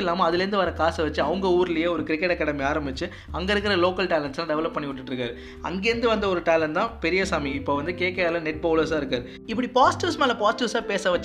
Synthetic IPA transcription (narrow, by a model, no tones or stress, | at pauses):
ɪlːaːmɐɐðɪlɛɾɯnd̪ɯʋɐɾɐkaːsɐʋɐt͡ʃːɯɐʋɐŋɡɐuːɾɪlɐjeːɔɾɯkɾɪkːɛʈɐkːɐɽɐmiaːɾɐmbɪt͡ʃːɯ | ɐŋɡɐɪɾɯkːɪɾɐloːkɐlʈaːlɐnslãːɖɛʋɐlɐpːpːɐɳːɪkʊʈːɯʈːɾɯkːaːɾɯ | ɐ̰ŋɡeːɾɯnd̪ɯʋɐnd̪ɐɔɾɯʈaːlɐɳt̪ãːpɛɾɪjɐsaːmiɪpːoːʋɐnd̪ɯkeːkeaːlɐnɛʈ̚boːlɐɾsaːɪɾɯkːaːɾɯ | ɪpːɐɽipaːsʈuːsmaːlɐpaːsʈuːsaːpeːsɐʋɐt͡ʃː